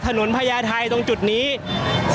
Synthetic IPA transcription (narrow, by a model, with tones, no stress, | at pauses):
t̪ʰa˧no˩˦npʰa˧jaː˧t̪ʰa˧jt̪o˧ŋt͡ɕu˨˩t̪̚niː˦˥s